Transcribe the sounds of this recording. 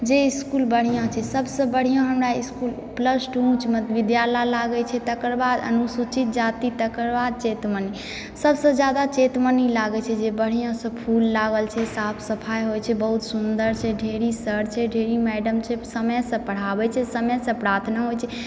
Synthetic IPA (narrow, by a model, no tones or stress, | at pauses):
d͡ʒeiskulbəɽ̤ijãt͡ʃʰɛsəbsə̃bəɽ̤ijõɦəmɾaiskulupləsʈũt͡ʃmət̪ʋid̪jalalaɡɛt͡ʃʰɛt̪əkəɾbad̪ə̰nusut͡ʃit̪̚d͡ʒat̪it̪əkəɾbad̪̚t͡ʃet̪məni | səbsə̃d͡ʒjad̪at͡ʃet̪mənilaɡɛt͡ʃʰɛd͡ʒebəɽ̤ijõsə̃pʰulːaɡəlt͡ʃʰɛsapʰsəpʰajɦojt͡ʃʰɛbəɦut̪sund̪əɾt͡ʃʰɛɖʱeɾisəɾt͡ʃʰɛɖʱeɾimɛɖəmt͡ʃʰɛsəməsə̃pəɽ̤abɛt͡ʃʰɛsəməsə̃pɾat̪ʰnaɦojt͡ʃʰɛ